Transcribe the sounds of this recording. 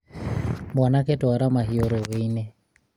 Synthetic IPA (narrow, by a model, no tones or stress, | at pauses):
mɔnaketɔaɾamaɦioɾoweine